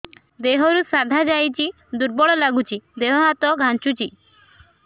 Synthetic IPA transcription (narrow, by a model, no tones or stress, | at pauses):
d̪eɦɔɾusad̪ʱad͡ʒajt͡ʃi | d̪uɾbɔɭɔlaɡut͡ʃʰid̪eɦɔɦat̪ɔɡʱant͡ʃut͡ʃi